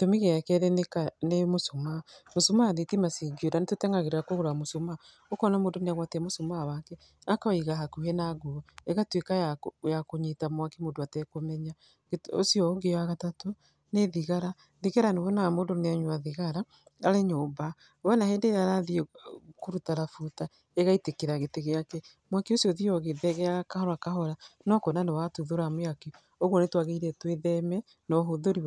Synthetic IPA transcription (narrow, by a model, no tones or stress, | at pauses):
tomiɣeakɛðɛnekanemosomamosomaːðetimasiɡoɾanetotɛŋɡaɣeɾeɾakoɣoɾamosoma | okɔnamodoneaɣwatɛmosomawakɛ | akaiɣaɦakuhɛnaɡoeɣatwekajajakoɲetamwakemondoatɛkomɛɲa | eosijɔɡeaɣatato | neðiɣaɾa | ðiɣaɾanewɔnamodoneaɲoaðiɣaɾa | aɾeɲoba | wɛnaheːndeɾeaɾaðiekoɾutaɾafuta | eɣaitekeɾaɣeteɣeakɛ | mwakiosiɔðiɔɣeðɛɣɛaakahɔɾakaɦɔɾanɔkonanewatuðoɾameake | oɣwɔnetwaɣeiɾɛtweðɛmɛ | nɔɦoðoɾi